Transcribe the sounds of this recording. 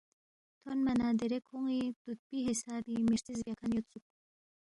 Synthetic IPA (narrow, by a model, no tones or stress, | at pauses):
t̪ʰonmanad̪eɾekʰoŋid̪̥ut̪̚piɦisaːɾimiɾt̪izbakʰanjot̪t͡suk̚